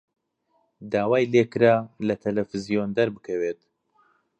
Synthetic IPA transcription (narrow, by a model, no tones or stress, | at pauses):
d̪aːwaːjlekɨɾaːlɐt̪ʰɐlɛfɨzijond̪ɐɾbɨkʰɐweːt̪